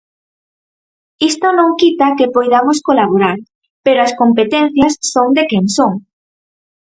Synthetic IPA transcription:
ist̪onõŋkit̪akepojðamoskolaβoɾaɾ | peɾoaskompet̪en̟θjɐsːoŋd̪ekeŋsoŋ

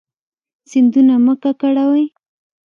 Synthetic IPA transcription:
sɪnd̪unaməkakaɽawaj

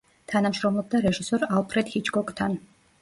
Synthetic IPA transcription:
t̪ʰanamʃɾɔmlˠɔb̚d̪aɾɛʒisɔɾalˠpʰɾɛd̪̥hit͡ʃʰʼɡɔkʼt̪ʰan

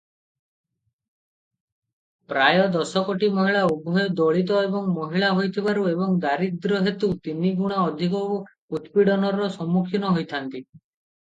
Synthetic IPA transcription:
pɾajɔd̪ɔsɔkoʈimɔɦiɭaubʱɔjɔd̪ɔɭit̪̬ɔebɔŋmɔɦiɭaɦojt̪ʰibaɾuebɔŋd̪aɾid̪ɾɔɦet̪ut̪iniɡuɽ̃aɔd̪ʱikɔ | ut̪piɽɔnɔɾɔsɔmːukʰjinɔɦojt̪ʰant̪i

